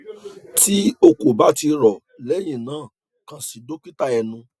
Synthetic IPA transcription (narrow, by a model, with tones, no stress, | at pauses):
ti˦o˧ko˨ba˨˦ti˧ɾɔ˨ | lɛ˨˦j̃ĩ˦˨nãː˨˦˨ | kã˨˧si˨do˦k͡pi˦ta˦˧ɛ˧nũ˧